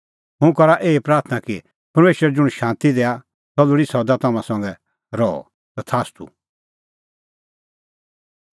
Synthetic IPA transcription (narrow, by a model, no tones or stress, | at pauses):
ɦʊ̃kɐɾaʔeːipɾaːɾt̪ʰnaki | pɐɾmeːʃəɾɛd͡ʒʊɽ̃ʃãːnt̪id̪eːa | t̪ɔluɽisɔd̪at̪ɐmãsɔ̃ŋɡɛ | ɾɔɔ̰ | t̪at̪ʰaːst̪ʰṵ